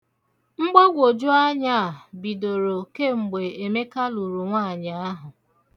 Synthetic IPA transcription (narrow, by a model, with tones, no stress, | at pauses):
ŋ͡m̩˦ɡ͡bɔ˦ɡʷo˨d͡ʒu˦a˦ɲa˦˨a˨bi˨do˨ɾo˨ke˦˨ŋ͡m̩˨ɡ͡be˨e˨me˦ka˦lu˨ɾu˨ŋʷa˦˨ɲa˨˦a˦ɦʊ˨